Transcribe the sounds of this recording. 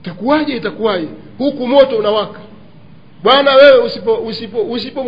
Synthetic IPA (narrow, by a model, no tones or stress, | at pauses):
takuwaʄɛitakuwaʄɛ | hukumɔtɔunawakḁ | ɓwanawɛwɛusipɔusipɔus̬ipɔ